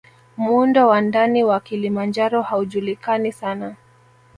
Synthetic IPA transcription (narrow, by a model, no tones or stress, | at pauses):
mundɔwandaniwakilimand͡ʒaɾɔhauʄulikanisana